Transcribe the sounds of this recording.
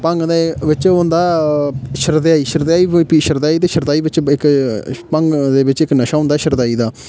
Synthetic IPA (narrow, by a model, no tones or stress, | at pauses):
pəŋɡd̪eʋɪt͡ʃõnd̪aːʃəɾd̪eaːiːʃəɾd̪aːiːpiːʃəɾd̪aːiːt̪eːʃəɾd̪aːiːbɪt͡ʃɪkpəŋɡd̪eːʋɪt͡ʃɪknəʃaːʊ̃nd̪aːʃəɾd̪aːiːd̪aː